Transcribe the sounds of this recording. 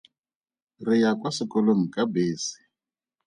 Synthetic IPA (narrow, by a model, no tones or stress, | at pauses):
rijakwasikɔloŋ̩kʼabeːsi̥